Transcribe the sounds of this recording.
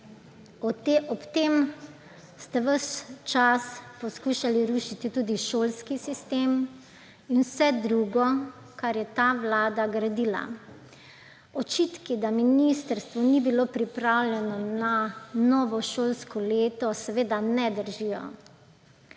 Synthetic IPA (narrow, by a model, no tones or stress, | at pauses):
ɔɔpt̪em | st̪ɛʋəst͡ʃaspɔskuːʃaliɾuʃit̪it̪uːd̪iʃoːlskisist̪eːm | inwsɛd̪ɾuːɡɔ | kaɾjɛt̪aʋlaːd̪aɡɾad̪iːla̰ | ɔt͡ʃiːt̪kid̪aminist̪əɾst̪ʋɔnibiloːpɾipɾawlʲjɛnɔnanɔʋɔʃoːlskɔleːt̪ɔsɛʋeːd̪anɛd̪əɾʒijɔ̰